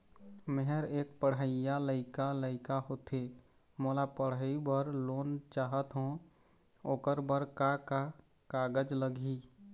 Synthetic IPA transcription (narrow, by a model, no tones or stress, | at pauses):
meɦəɾeːk̚pəɽəɪjaləɪkaləɪkaɦot̪e | moːlapəɽəibəɾloːnt͡ʃaːɦət̪ɦũ | oːkəɾbəɾkaka | kaːɡəd͡ʒləɡʱi